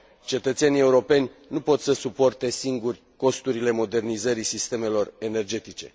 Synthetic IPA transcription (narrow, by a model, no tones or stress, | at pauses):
t͡ʃe̞t̪ət̪senie̞uɾo̞pe̞nʲ | nupo̞t̪səsupo̞rt̪e̞siŋɡurʲ | ko̞st̪uɾile̞mo̞d̪e̞rnizəɾisist̪e̞me̞lo̞re̞ne̞rd͡ʒe̞t̪it͡ʃe̞̰